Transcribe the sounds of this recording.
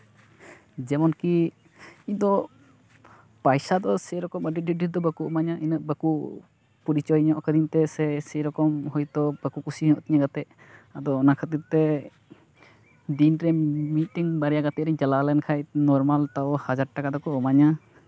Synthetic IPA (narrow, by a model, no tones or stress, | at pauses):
d͡ʒɛmɔnki | id̪ɔ | pajsad̪ɔsɛɾɔkɔməɖiiɖiɾd̪ɔbəkuʔɔmaɲaʔinəʔbəku | pɔɾit͡ʃɔjɲɔʔkəd̪int̪ɛsɛsɛɾɔkɔmɦɔjt̪ɔbəkukusiɲɔʔt̪iɲaɡat̪ɛʔ̚ | ad̪ɔːnakʰət̪iɾt̪ɛ | d̪inɾɛmit̪̚tiŋbaɾɛjaɡat̪ɛʔɾɛd͡ʒalalɛnkʰajnɔɾmalt̪aɔhad͡ʒaɾʈakad̪ɔkɔɔmaɲa